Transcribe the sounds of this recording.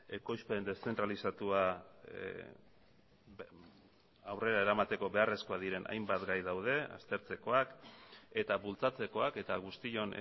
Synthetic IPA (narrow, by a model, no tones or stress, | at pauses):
e̞ko̞jspend̪e̞st͡se̞nt̪ɾalisat̪ua | awre̞ɾaeɾamat̪e̞ko̞βe̞are̞sko̞aðiɾe̞nʔa̰jmbat̪ɡajðawð̞e̞a̰st̪e̞ɾt͡se̞ko̞ake̞t̪aβult͡sat͡se̞ko̞ake̞t̪aɣ̞ust̪io̞n̰